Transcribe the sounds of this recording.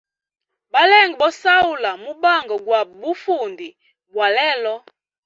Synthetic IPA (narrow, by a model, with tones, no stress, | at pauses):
ba˦lɛ˦˨ŋɡɛ˨ɓɔ˦sa˦u˨la˨mu˦ba˦˨ŋɡɔ˨ɡwa˨bu˦fu˨ndi˨ | bwa˨lɛ˦lɔ˦